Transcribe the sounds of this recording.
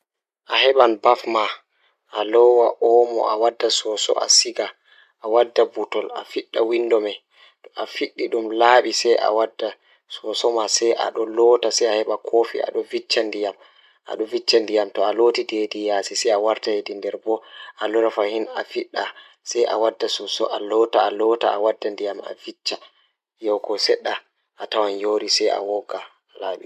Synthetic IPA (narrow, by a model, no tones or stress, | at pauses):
ʔahɛɓanbafma | ʔalɔwaʔɔmɔ̰ʔa̰wadːasɔsɔ̰ʔa̰siɡa | ʔawadːabutɔla̰fiɗːawindɔmɛ | tɔʔafiɗːiɗumlaːɓisɛjʔa̰wadːa | sɔsɔmasɛjʔa̰ɗɔlɔtasɛjahɛɓakʰofḭa̰ɗɔvit͡ʃːandijam | ʔa̰ɗɔvit͡ʃːandijamtɔalotidedijaːsisɛjawaɾtahedindɛɾbɔʔalɔɾafahinafiɗːa | sɛjʔa̰wadːasɔsɔ̰ʔalɔtaalɔta̰awadːandijama̰vit͡ʃːa | jɔwkɔsɛɗːa | ʔatawanjoɾisɛja̰wɔɡa | laːɓi